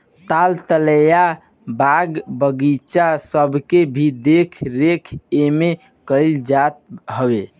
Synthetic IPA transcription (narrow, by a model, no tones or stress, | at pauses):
t̪alt̪ələja | baɡbəɡit͡ʃasəbʱkebʱid̪ekʰɾekʰeme | kəɪld͡ʒat̪̚ɦəbe